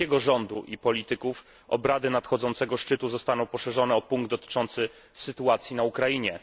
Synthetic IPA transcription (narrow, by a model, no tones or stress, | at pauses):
ɛɡɔʐɔnd̪uʔipɔlʲit̪ɘkuf | ɔ̰bɾad̪ɘnat̪xɔd̪zɔnt̪sɛɡɔʂt͡ʂɘt̪uzɔst̪anɔ̃w̃pɔʂɛʐɔnɛɔpuŋɡd̪ɔt̪ɘ̥t͡ʂɔnt̪sɘ | sɘt̪uat̪sʲjinaukɾaiɲɛ